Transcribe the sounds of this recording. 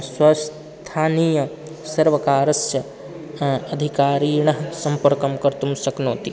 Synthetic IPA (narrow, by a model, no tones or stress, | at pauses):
swɐs | t̪ʰaːnijɐ | sɐɾʋɐkaːɾɐsjɐ | ɐd̪ʱikaːɾiːɳɐɦsɐmpɐɾkɐmkɐɾt̪umsɐknoːt̪i